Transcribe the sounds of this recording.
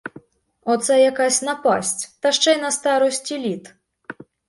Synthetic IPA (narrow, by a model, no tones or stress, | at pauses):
ɔt̪sajakasʲnɐpasʲt͡sʲt̪ɐʂt͡ʂɛjnɐst̪aɾɔsʲt͡sʲilʲit̪